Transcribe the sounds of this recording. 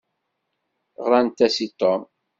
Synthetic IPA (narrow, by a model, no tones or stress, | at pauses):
ʁɾˤɑnt̪æsit̪ˤːom